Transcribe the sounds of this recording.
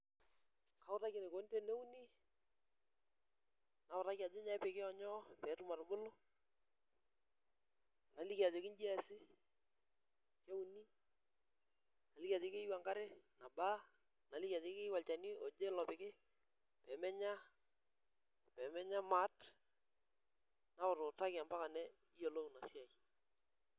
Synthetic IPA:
ka˨˦ʊ˦ta˦kɪ˨ne˨ko˨˦n˦te˦˨ne˦u˦ni˦ | na˨ʊ˨ɾa˦kia˨d͡ʒɪ˦ɲa˨˦ɪ˦pɪ˨kɪ˦ɔ˨ɲɔ˦pɛ˨˦tʊ˦ma˨ɾbʊ˦lʊ˦ | na˨li˦kia˨d͡ʒe˨kɪ˦nd͡ʒi˦ɛ˦sɪ˦ | ke˦u˨ni˦ | na˨li˦ka˨d͡ʒe˨˦kɪ˦wa˨ŋka˦ɾɪ˦na˨ba˦ | na˨li˦ka˨d͡ʒe˨˦kɪ˦wa˨lt͡ʃa˨ni˦o˨d͡ʒe˦lɔ˨pɪ˨kɪ˦ | pɛː˨˦mɛ˦ɲa˦ | pɛ˨mɛ˦ɲa˦ma˦t | na˦ʊ˨ɾʊ˨ta˦kɪ˨a˨mba˦ka˨nɛ˦ | i˦jo˨lo˦na˨si˦a˨j

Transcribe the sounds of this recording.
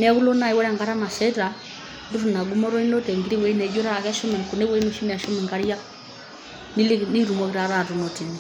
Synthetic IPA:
nɛ˦ku˦lo˦na˨i˦wɛ˦ɾa˨ŋɡa˦ɾa˦ma˨sɛ˦ta˨ | ndu˦ɾu˨na˨ɡu˦mɔ˦ɾo˦i˦no˦tɛ˨ŋɡi˦ɾi˦wɛ˨i˦nɛ˨d͡ʒo˦ɾa˨kɛ˦ʃɔ˦mɛ˨nku˨ne˦we˦no˨ʃi˦n˨a˨ʃo˦mɛ˨ŋka˦ɾija˦ | ni˦lni˦ɾu˨mo˦ki˦ɾa˨ɾa˨tu˨no˨ti˨ni˨

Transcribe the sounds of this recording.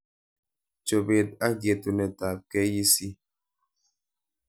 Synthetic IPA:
t͡ʃo˨be˨t̚a˦ɡje˨tu˨nɛ˨ta˨p̚kɛ˦ji˦si˦

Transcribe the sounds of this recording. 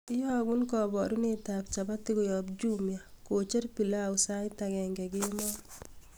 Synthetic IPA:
ɪ˦jɔ˦a˨ɡu˦nkɔ˨bɔ˨ɾu˦nɪ˦ta˨p̚t͡ʃa˨ba˦tɪ˦ɡʊ˨jɔ˨bd͡ʒu˦mja˨ | ko˨t͡ʃe˦ɾpi˨la˦ʊsa˦taɡɛ˨ŋɡɛ˨ɡɪ˦mɔ˦

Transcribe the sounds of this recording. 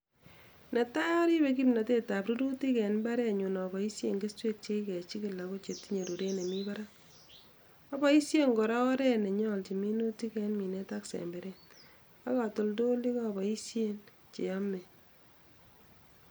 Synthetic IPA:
nɛ˨ta˦jɔ˦ɾi˦be˦k̬i˦mna˨te˦ta˨pɾu˦ɾu˦ti˦kɛ˨nmba˦ɾɛ˦˨ɲu˨nɔ˨bɔ˨i˦sje˨ŋɡe˦stwe˦k̚t͡ʃe˦kɛ˨t͡ʃi˦ki˨la˨ko˦t͡ʃe˨tːi˦ɲe˨ɾu˨ɾe˦ne˨mi˦baɾa˦ | a˦bɔ˦i˦sje˦ŋɡo˨ɾa˦ɔ˦ɾɛ˦ne˨ɲɔ˦lt͡ʃi˨mi˦nu˦ti˦kɛ˦nmi˨ne˦ta˦ksḛ˨mbe˨ɾe˦n | a˦ka˨to˨ldo˦li˦kɔ˦bɔ˨i˦sje˦n | t͡ʃḛ˨a˦me˨

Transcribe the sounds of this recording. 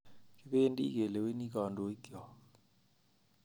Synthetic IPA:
ki˦ɓɛ˦e˦ndʼḭ˦k̬ɛ˨lɛ˨we˦nik̬a˨ndʼɔ˨i˦ɡɔ˨

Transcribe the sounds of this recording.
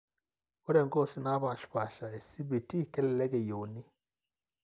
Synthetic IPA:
wo˦ɾe˨ŋɡo˦˨si˦na˦ba˨ʃpa˨ʃa˨e˨si˦bi˨ti˦kɛ˦lɛ˨le˦ɡe˨jo˨wni˦

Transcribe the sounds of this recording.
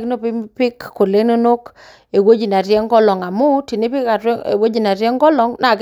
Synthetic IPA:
kno˦pɪ˦pɪ˦kːo˨le˦no˦no˦k | e˨wo˦d͡ʒi˨na˨ɾjɛ˦ŋɡɔ˦lɔ˨ŋa˨mʊ˦ti˨ne˦pɪ˦ka̰˨˦˨wo˦d͡ʒi˨na˨ɾjɛ˦ŋɡɔ˦lɔ˦ŋna˨k

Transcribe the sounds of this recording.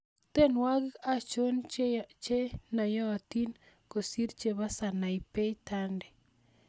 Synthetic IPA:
t̪e˦nwa˦ɡɪ˦a˦t͡ʃo˦nt͡ʃe˦na˨jɔ˦ati˦n | ko˨si˦ɾt͡ʃe˨βa˦sa˨na˨i˨pe˦i˦tandɛ˨

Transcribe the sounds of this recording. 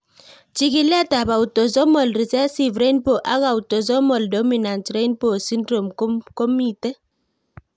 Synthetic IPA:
t͡ʃi˦ki˦la˦ta˨ba˨u˨tɔ˨zɔ˦mɔ˨lɾi˨zɛ˦si˨vɾe˦npo˨ʔa˦ɣa˨u˨tɔ˨zɔ˦mɔ˨ldɔ˦mi˨na˨ntre˦jnpo˨si˦ndɾo˨m˦kɔ˦mi˦˨tɛ˦

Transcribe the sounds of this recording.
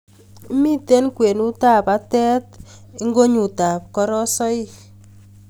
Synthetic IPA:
mi˦te˦nkwe˨nu˦ta˦pa˦tɛ˦t̚ | e˦ŋɡo˦ɲu˨ta˨p̚kɔ˦ɾɔ˦sɔ˦i˦

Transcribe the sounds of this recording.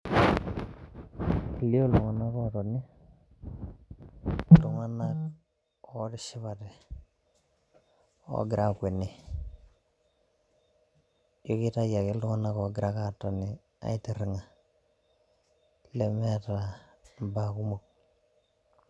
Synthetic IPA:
i˨li˦o˦lu˨ŋa˨na˦kɔ˦to˨ni˦ | lu˨ŋa˦na˦k̚ | ɔ˦ti˦ʃi˦βa˨tɛ˨ | o̰˨ɡɪ˨ɾʔa˦kwe˨ni˨ | jo˦ki˦ta˦ja˨ki˦lu˦ŋa˦na˦kɔ˨ɡɪ˨ɾa˦ka˦˨to˨ni˨ | a̰˨˦i˦ti˨ɾi˨ŋa˨ | le˨mɛ˦ta˨ | ba˨ku˦mo˨k̚

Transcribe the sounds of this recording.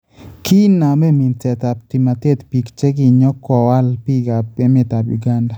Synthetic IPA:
ki˦na˨me˦˨mi˨ntɛ˨t̪a˨p̚t̪i˨ma˨t̪e˦t̪pi˨kt͡ʃe˦ɡi˨ɲɔ˦kɔ˨wa˦lpi˦ɡa˨pɛ˦mɪ˨t̪a˨bjṵ˨ɡa˦nda˨

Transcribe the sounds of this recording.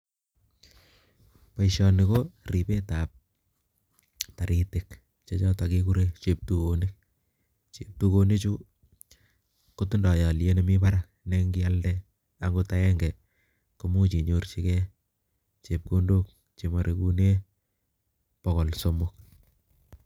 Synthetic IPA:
pa˦iʃɔ˨nɪ˨ko˦ri˨pe˦ta˨p̚ | ta˨ɾi˨tɪ˨k | t͡ʃe˦t͡ʃɔ˦ta˨ki˦ku˦ɾe˦t͡ʃe˨p̚tu˨ko˨nɪ˦k̚ | t͡ʃep̚tu˦ko˦ne˦t͡ʃu˦ | ko˦tu˦ndɔ˨jɔ˨lje˦ne˨mi˦pa˦ɾak̚ | ne˦ŋɡi˦a˦ldɛ˦ | a˨ŋɡota˦ɛ˦ŋɡɛ˨ | ko˦mu˦t͡ʃi˨ɲo˨rt͡ʃi˦kɛ˦ | t͡ʃe˨p̚ko˦ndok̚ | t͡ʃe˨ma˨ɾʔe˦ku˦ne˦ | pɔko˨lso˦mʊk̚

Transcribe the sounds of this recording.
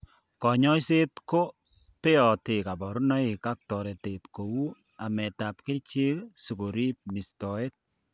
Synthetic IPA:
kɔ˨ɲɔ˦jse˦tko˦ | pe˦ɔ˨te˨ka˨bɔ˨ɾu˦nɔ˦i˨ka˦k̚tɔ˨ɾɛ˨tetko˨wu˦ | a˨mɛ˨ta˨p̚kɪ˦lt͡ʃi˦ksu˨ko˨ɾi˦p̚ni˨stɔ˨e˦t̚

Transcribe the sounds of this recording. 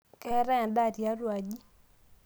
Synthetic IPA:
kɛ˦ɾɛ˦˨da˦˨tja˦ɾwa˨d͡ʒi˦

